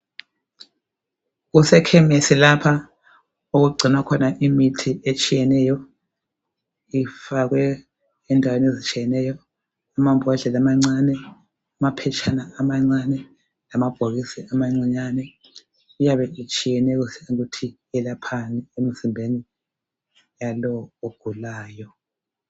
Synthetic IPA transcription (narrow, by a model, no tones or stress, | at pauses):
ɣusɛkʰɛmesilapʰa | uɣuɡ͡ǀʱinwakʰɔnaʔimitʰiʔet͡ʃʼijɛnɛjɔ | ifaɣ̬wɛː | ndʱawenezit͡ʃʼijɛnɛjɔ | amambʱɔɮɛlamaŋ͡ǀanɛ | amapʰɛt͡ʃʰʼanaamaŋ͡ǀanɛ | lamab̥ʱoɣisiamaŋ͡ǀiɲanɛ | ujaβɛʔit͡ʃʼijɛnɛɣusɛutʰi | ɛlapʰaniem̩zimbʱeni | jalɔoɡ̥ʱulaːjɔ